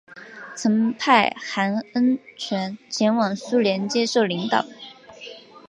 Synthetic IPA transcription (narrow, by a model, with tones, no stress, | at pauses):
t͡sʰɤ˧˥ŋpʰa˥˩ɪxa˧˥nə˥nt͡ɕʰɥɛ˧˥nt͡ɕʰjɛ˧˥nwɑ˨˩ŋsu˥ljɛ˧˥nt͡ɕjɛ˥ʂo˥˩ʊli˧˥ŋt̪ɑ̰˨˩˦ʊ